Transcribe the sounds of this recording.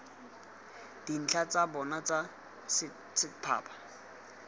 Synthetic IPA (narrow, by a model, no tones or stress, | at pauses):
d̥in̩t͡ɬʰat͡sabɔnat͡sʼa | sɪ | sɪpʰa̰ːpʰḁ